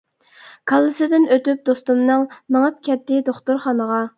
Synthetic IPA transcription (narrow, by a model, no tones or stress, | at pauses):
kʰɑlˠːɨsɨd̪ɪnøt̪yp̚d̪ost̪umnɨŋmɨŋɑp̚kʲʰɛt̪ːɪd̪oχt̪uɾχɑnəʁɑ